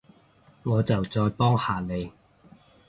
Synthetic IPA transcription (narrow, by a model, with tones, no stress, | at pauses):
ŋɔː˨˧t͡sɐ˨wt͡sɔː˧jpɔː˥ŋhaː˨˧ne˨˧j